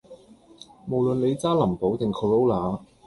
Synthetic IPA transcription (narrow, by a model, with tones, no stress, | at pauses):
mo˨˩wlɵ˨nle˨˧jt͡saː˥lɐ˨˩mpo˨˥wt̪ɪ˨ŋkʰo˨˧lo˥wlaː˨˦